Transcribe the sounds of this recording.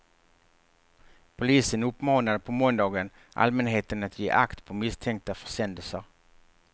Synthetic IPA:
pʰʊliːsənɵpːmɑːnad̪əpʰɔmɔnd̪ɑːɡən | ʔa̰lmɛnɦeːt̪ənat̪jḛːʔakt̪pʰɔmɪst̪ʰɛŋkt̪afœ̥ʂɛnd̪əlsəɾ

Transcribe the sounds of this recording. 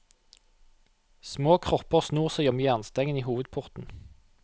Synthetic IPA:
smoːkʰʁɔpəʁsnuːʁsæɪɔmyːɑnst̪ɛŋəniːɦuːʋəd̪pʰʊʁt̪n̩

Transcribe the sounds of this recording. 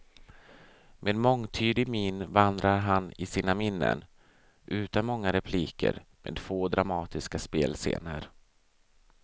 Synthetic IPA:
mʔeːd̪mɔŋt̪ʰyːd̪ɪɡminvand̪ɾaɾɦanɪsiːnamɪnːə̰n | ʔʉ̟ːt̪anmɔŋːaɾɛpʰliːkʰə̰ɾmḛːd̪foːd̪ɾamɑːt̪ɪskaspeːlsḛːnəɾ

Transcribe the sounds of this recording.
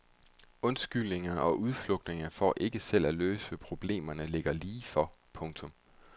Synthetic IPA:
ɔ̽nsɡ̥yl̰ne̝ŋɐɒ̽ʔuð̞ˠflɔ̽ɡ̥̚d̥ne̝ŋɐfɒ̰ːʔe̝ɡ̥əsel̰æløːsəʋæpʰʁo̝b̥le̝̰ːmɐnəle̝ɡ̥ɐliːfɒpʰɔ̽ŋt͡sʰɔ̽m

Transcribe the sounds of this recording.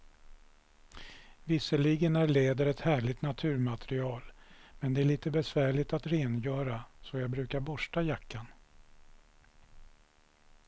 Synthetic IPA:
vɪsəɭiɡənæɭeːd̪əɾɛt̪hæːɭɪt̪nat̪ʰʉ̟ːɾmat̪ʰɾɪɑːlmɛnd̪ɛæɭiːt̪əbɛsvæːɭɪt̪at̪ɾeːnjœːɾasɔjɑːɡbɾʉ̟ːkaɾbɔʂʈajakʰːan

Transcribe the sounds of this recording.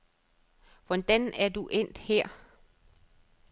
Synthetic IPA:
ʋɒ̽nd̥ænæɐd̥uʔen̰d̥heɐ̰

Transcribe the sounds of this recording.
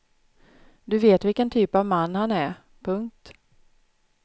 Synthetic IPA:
d̪ɵveːt̪vɪlkənt̪ʰyːpavmanːhanæɾ | pʰɵŋk̚t̪

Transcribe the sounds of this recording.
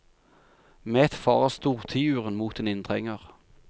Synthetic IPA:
meːt̪fɑːʁəst̪uːʁt̪ʰiːʉːʁənmuːt̪eːnɪnt̪ʰʁɛŋəʁ

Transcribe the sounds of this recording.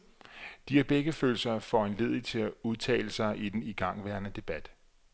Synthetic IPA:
d̥iæb̥eɡ̥əføːl̩sɐfɒ̰e̝nle̝ð̞ˠit͡sʰe̝æuðˠt͡sʰɛ̰ːləsɑ̈ɪʔid̥eniɡ̥ɑ̈ŋ̰ʋæɐnəd̥e̝b̥æd̥

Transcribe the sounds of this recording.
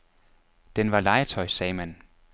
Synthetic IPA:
d̥enʋɑ̈lɑ̈ɪət͡sʰɒ̽ɪsɛːmæn

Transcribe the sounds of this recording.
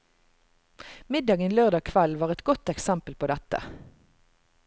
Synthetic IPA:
mɪd̪ɑːɡənløːʁd̪ɑːkʰʋɛlʋɑːʁɛt̪ɡɔt̪ɛksæmpəlpʰoːd̪ɛt̪ə̰

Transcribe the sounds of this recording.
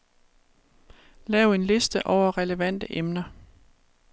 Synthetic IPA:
lɛːʊe̝nle̝sd̥əʔɒʊ̰ɐʁɛləʋæn̰d̥əʔemnɐ

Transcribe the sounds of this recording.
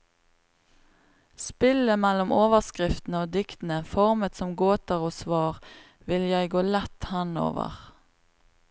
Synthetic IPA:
spɪləmɛlʊmoːʋəʁskʁɪft̪n̩əoːd̪ɪkt̪n̩əfɔʁmət̪sɔmɡoːt̪əʁoːsʋɑːʁ | ʋɪljæɪɡoːlɛt̪hɛno̰ːʋə̰ʁ

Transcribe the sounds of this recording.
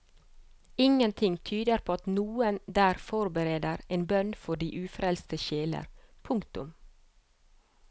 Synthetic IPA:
ɪŋənt̪ʰɪŋt̪ʰyːd̪əɾpʰoːɑt̪nuːənd̪æːɾfɔɾbəɾeːd̪əɾeːnbœnfɔɖiːʔʉːfɾɛlst̪əʃeːlə̰ɾ | pʰʊŋkt̪ʊm

